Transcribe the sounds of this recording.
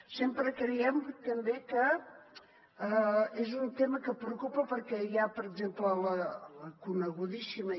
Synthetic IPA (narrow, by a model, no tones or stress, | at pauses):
sempɾəkɾəjɛmt̪əmbekə | ezunt̪eməkəpɾəukupəpəɾkɛjapəɾəɡzemplələləkunəɣuðisimə